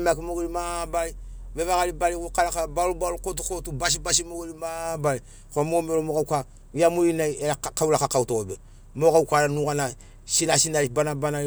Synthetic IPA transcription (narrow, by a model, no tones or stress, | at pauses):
makimoɡelimabaɾiβeβakalibalikukaɾakabalubalukot̬ukotubas̬ibasimoɡelimabaɾi | komomeɾomokakʷa | jamuɾinaeɾakawulakakautoobe | mokaukʷaɾanuɡana | sinasinaɾibanabana